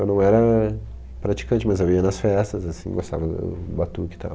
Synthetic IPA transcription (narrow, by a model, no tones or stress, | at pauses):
ewnɐ̃w̃ɛɾɐ | pɾat͡ʃi̥kɐ̃nt͡ʃɪmɐzewiɐnɐsfɛst̪ɐzasḭ̃ɡost̪a̰vɐd̪ʊ̰bat̪ukɪ̥t̪a̰